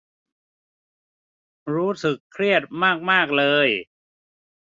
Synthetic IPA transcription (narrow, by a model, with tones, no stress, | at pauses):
ɾuː˦˥sɯ˨˩kʰːɾi˥˩ət̪̚maː˥˩k̚maː˥˩k̚lɤː˧j